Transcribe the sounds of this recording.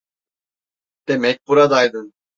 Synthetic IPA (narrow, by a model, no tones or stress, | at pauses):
d̪̥emɛc̚buɾad̪ajd̪ɯn